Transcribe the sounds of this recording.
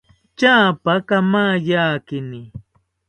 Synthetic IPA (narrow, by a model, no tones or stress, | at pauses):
t͡ʃaːpakamajaːkɪnɪ